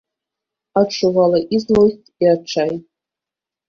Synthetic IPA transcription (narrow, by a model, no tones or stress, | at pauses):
aʈ͡ʂʰuvalaʔiznostʼiaʈ͡ʂʰaj